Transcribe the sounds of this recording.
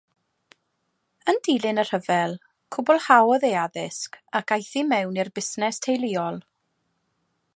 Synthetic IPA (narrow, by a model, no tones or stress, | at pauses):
əndijlˠɪnər̥əvɛlˠ | kʰʊbɔlˠhawɔðejaðɪskakʰajθimɛwnirbɪsnɛstʰejlˠiːɔlˠ